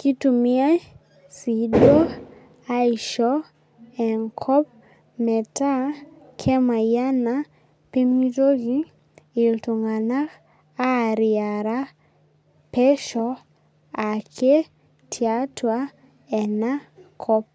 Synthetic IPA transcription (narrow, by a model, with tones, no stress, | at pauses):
ki˦tu˨mi˦a˦ | si˨˦do˦ | a˦i˨ʃɔ˦ | ɛ˨ŋkʰɔ˦p̚ | mɛ˨ta˦ | kʰɛ˦ma˨ja˦na˦ | pe˦mi˦to˦ɣi˦ | i˨ltu˨ŋa˨na˦k | a˦˨ɾi˨a˨ɾa˦ | pɛ˦ʃɔ˦ | a˨kʰe˦ | tʰi˨a˦twa˦ | ɛ˨na˦kʰɔ˦p̚